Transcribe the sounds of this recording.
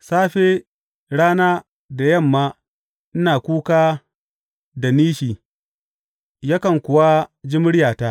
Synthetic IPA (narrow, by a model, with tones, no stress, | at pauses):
saː˦ɸe˦ | ɽaː˦naː˦ | da˨jɐ˦˨mːaː˦ | ʔɪ˦naː˨kʷuː˦kaː˦ | da˨niː˦ʃiː˨ | ja˦kɐ˨ŋkʷʊ˨wa˦d͡ʒɪ˦mʊ˦ɽɪ˦jaː˨taː˦ʔ